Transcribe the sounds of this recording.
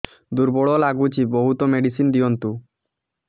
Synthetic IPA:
d̪uɾbɔɭɔlaɡut͡ʃʰibɔɦut̪ɔmeɖisind̪iɔnt̪u

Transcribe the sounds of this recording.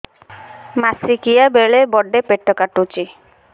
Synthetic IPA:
masikijabeɭebɔɖepeʈːɔkaʈut͡ʃi

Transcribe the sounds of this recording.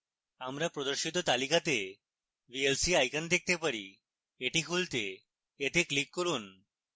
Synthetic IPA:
amɾapɾod̪oɾʃit̪ot̪alikat̪e | bielsiajkand̪ek̚t̪epaɾḭ | eʈikʰult̪e | eʈeklikːoɾun

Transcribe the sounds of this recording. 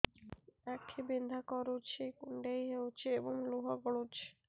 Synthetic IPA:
ɛkʰːebind̪ʱakɔɾot͡ɕʰekuɳɖejɦeot͡ɕʰeeboŋluɦaɡɔɽot͡ɕʰe̥

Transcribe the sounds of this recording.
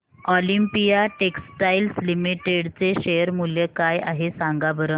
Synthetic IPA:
ɔlimpijaʈeksʈailslimiʈeɽt͡seɕejəɾmuljekajaɦesaŋɡabəɾən

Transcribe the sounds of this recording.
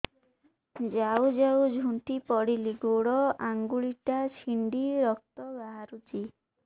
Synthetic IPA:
d͡ʒawd͡ʒawd͡ʒʱuɳʈipɔɽiliɡoɽɔaŋɡuɭiʈat͡ʃʰiɳɖiɾɔk̚t̪ɔbaɦaɾut͡ʃi

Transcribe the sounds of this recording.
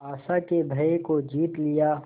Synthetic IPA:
aːsakebʱɐekod͡ʒiːt̪lɪja

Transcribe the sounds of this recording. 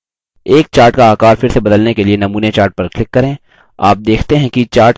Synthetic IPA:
eːk̚t͡ʃaːɾʈkaaːkaːɾfɪɾsebɐd̪əlnekelienɐmuːnet͡ʃaːɾʈ̚pɐɾklɪkːɐɾẽː | a̰ːp̚d̪eːkʰt̪eɦɛ̃kit͡ʃaːɾʈ

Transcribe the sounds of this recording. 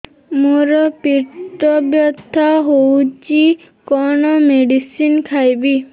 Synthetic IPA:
muɾɔpiɾt̪ɔbjɔt̪ːaɦowt͡ʃi | kɔɳɔmeɖisinkʰajbi

